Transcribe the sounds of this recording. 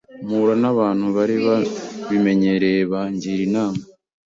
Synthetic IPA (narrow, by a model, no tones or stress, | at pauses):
muɾanaβaːnhuβaɾiβaβime̞ɲe̞ɾeβaɲɟiɾinaːma